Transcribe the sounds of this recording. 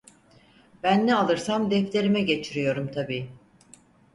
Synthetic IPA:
b̥ænːɛalˠɯɾsamd̪ɛft̪ʰe̞ɾimɛɟe̞t͡ʃʰiɾijo̞ɾumt̪ʰabiː

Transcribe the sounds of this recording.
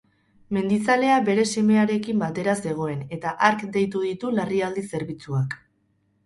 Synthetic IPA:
me̞nd̪it͡sale̞abe̞ɾe̞se̞me̞aɾe̞kimbat̪e̞ɾase̞ɣ̞o̞e̞ne̞t̪aʔaɾkd̪e̞jt̪uð̞it̪ulariald̪ise̞ɾβit͡suak

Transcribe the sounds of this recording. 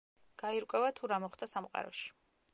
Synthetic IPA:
ɡ̥aiɾkʼwɛvat̪ʰuɾamɔχd̪asamqʼa̰ɾɔ̰ʃi̥

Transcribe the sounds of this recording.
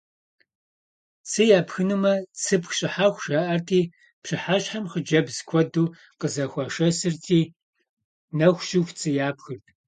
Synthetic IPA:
t͡sʰɨjaːpxɨnɨmɐt͡sʰɨpxɕʼɪħaːxʷʃaʔɐrtʰiː | pɕɨħaɕʼħamχəd͡ʒɐbzkʷʰɔduː | qəzɐxʷɐʃɐsɨrtʰiː | nɐxʷʃuft͡sʰʼɨjaːpxɨrt̚ʰ

